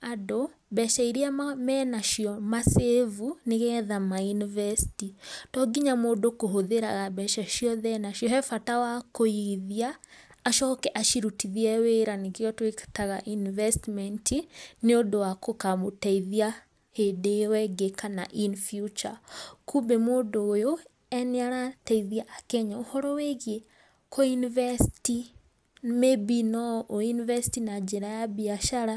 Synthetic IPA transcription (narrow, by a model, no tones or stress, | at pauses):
adɔ | bɛʃaiɾiamɛnaʃiɔmasevuneɣɛðamajunivɛstitɔɡiɲamɔdɔkoɦoðeɾaɣabɛʃaʃiɔðɛnaʃiɔɦɛfatawakoiðiaːʃɔkɛʔaʃiɾutiðiɛweɾanikiɔtwektaɣaʔinvɛstmɛntʰineodowakokamotaiðia | hedewɛɡekana̰ʔinfjut͡ʃakʰubemoːdoːjo | ɛneaɾataiðiaʔːkɛɲaohɔɾɔweɣje | kʰojinivɛsiti | mebinɔʔoinivɛsi̥tinad͡ʒeɾajabiaʃaɾa